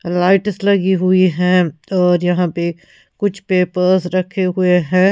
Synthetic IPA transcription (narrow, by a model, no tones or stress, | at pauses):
laːɪʈəslɐɡiɦʊiɦɛ̃ɔːɾjɐɦãpe | kʊt͡ʃʰpeːpəɾsɾɐkʰeɦʊeɦɛ̃ː